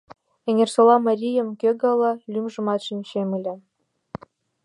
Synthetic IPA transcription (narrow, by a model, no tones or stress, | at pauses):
eŋʲersolˠɑmɑrʲijəmkʲøɡɑlˠɤ̆lʲymʒɤ̆mɑt̪ʃinʲɕemɘlʲe